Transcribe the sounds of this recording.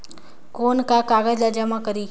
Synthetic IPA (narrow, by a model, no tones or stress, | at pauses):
koːnkakaːɡəd͡ʒlad͡ʒəmakəɾiː